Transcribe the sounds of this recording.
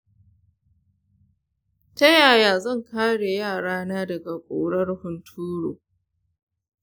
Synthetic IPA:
tɐ˦jaː˨jaː˨zɐ˦˨ŋkaː˦ɽe˨jaː˦˨ɽaː˦naː˦dɐ˨ɡa˨kʷʼoː˨ɽɐ˦rhʊ˨ntʰuː˦ɽo̰ː˨

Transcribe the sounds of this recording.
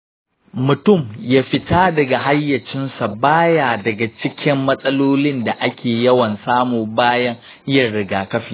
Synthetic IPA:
mʊ˨tʊ˦˨mjaː˦ɸɪ˦taː˦dɐ˨ɡa˨ɦa˦jːɐ˨t͡ʃɪ˦nsa˨baː˦jaː˨dɐ˨ɡa˨t͡ʃɪ˦kʲɪ˦mːɐ˦sʼɐ˦loː˦lɪ˦nda˨ʔa˦kʲʰeː˨jɐ˦wɐ˨nsaː˦muː˨baː˦jɐ˦ŋ | ɪ˦jɐ˨ɽɪ˨ɡaː˨kɐ˦ɸiː˨

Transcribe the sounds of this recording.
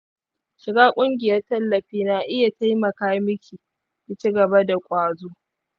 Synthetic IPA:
ʃɪ˨ɡaː˦kʷʼʊ˦ŋɡʲɪ˨jɐ˦rtɐ˦lːɐ˨ɸiː˦naː˨ʔɪ˦ja˨ta˦jmɐ˨kaː˦mɪ˦kʲiː˨ | kɪ˦t͡ʃi˦ɡɐ˨ba˦da˨kʷʼaː˨zoː˦

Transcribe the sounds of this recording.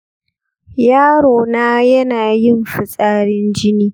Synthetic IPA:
jaː˦ɽoː˨naː˦jɐ˦naː˨jɪ˦mɸɪ˨sʼaː˦ɽɪ˦nd͡ʒɪ˦niː˦

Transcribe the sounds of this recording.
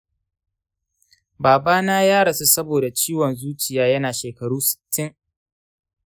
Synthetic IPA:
baː˨baː˦naː˦jaː˦ɽɐ˨su˦sɐ˦boː˨da˨t͡ʃiː˦wɔ˨nzuː˦t͡ʃɪ˨jaː˦jɐ˦naː˨ʃeː˨kɐ˨ɽuː˦sɪ̥˨tʰːɪ˦ŋ

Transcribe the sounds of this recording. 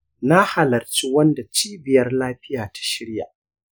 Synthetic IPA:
na˦ha˨lɐ˨rt͡ʃi˦wɐ˦nda˨t͡ʃiː˦bɪ˨jɐ˦rlaː˦ɸɪ˦jaː˨tḁ˨ʃɪ˦ɽja̰˨ʔ

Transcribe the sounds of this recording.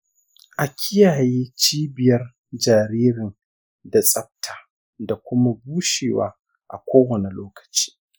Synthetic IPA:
ʔa˨kʲʰɪ˦jaː˨jeː˦t͡ʃiː˦bɪ˨jɐ˦r | d͡ʒaː˨ɾiː˦ɾɪ˨n | da˨sʼɐ˦b̚tʰaː˨ | da˨kʷʊ˦ma˦buː˦ʃeː˨wa̰ː˦ | ʔa̰˨kʷoː˦wɐ˨ne˨loː˦kɐ̥˨t͡ʃi̥ː˦

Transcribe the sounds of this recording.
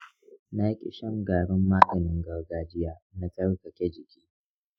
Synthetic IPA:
na˦jkʲʼɪ̰˦˨ʃɐ˦ŋɡaː˨ɽʊ˦mːaː˦ɡɐ˨nɪ˦ŋɡɐ˨wɡaː˨d͡ʒɪ˦jaː˨na˦tɐ˦ɽkɐ˨kʲɛ˦d͡ʒɪ˨kʲi̥ː˦

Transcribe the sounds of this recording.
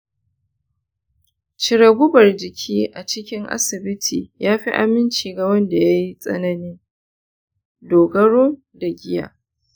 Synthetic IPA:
t͡ʃɪ˨ɾɐ˨ɡʷʊ˦bɐ˨rd͡ʒɪ˨kʲʰiː˦ʔa˨t͡ʃɪ˦kʲɪ˦ŋʔa̰˦sɪ˨bɪ˦tʰḭː˨jaː˦ɸi˦ʔa̰˨mɪ˦nt͡ʃiː˨ɡa˨wɐ˦nda˨ja˦ji˦sʼɐ̰˦nɐ˦nɪ˦ŋ | doː˨ɡɐ˦ɽoː˦n | da˨ɡʲɪ˦ja̰ː˨

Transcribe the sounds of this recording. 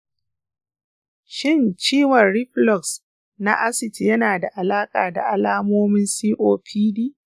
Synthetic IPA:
ʃɪ˦˨nt͡ʃiː˦wɐ˨nɽɪ˦plɔ˨ks | na̰˦ʔa˦sɪ˨tjɐ˦naː˨da˨ʔa˨laː˦kʼaː˨da̰˨ʔa˦laː˦moː˦mɪ˦nsiː˦ʔoː˦pʰiː˦diː˦ʔ

